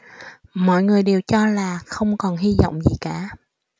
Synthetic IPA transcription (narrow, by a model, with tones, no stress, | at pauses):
mɔ̰˧˨jŋɨ˨˩əjɗe˨˩wt͡ɕɔ˧laː˨˩xə˧wŋ͡mkɔ˨˩nɦi˧zɔ̰˧˨wŋ͡mzi˨˩kaː˧˦